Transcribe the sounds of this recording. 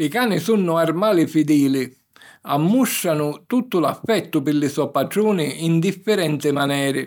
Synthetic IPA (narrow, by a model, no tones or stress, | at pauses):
ɪkaːnɪsunːʊarmaːlɪfid̪iːlɪ | amːuʃːanʊt̪ut̪ːʊlafːɛt̪ːʊpɪlːɪsɔpaʈɾuːnɪind̪ifːɛɾɛnt̪ɪmanɛːɾɪ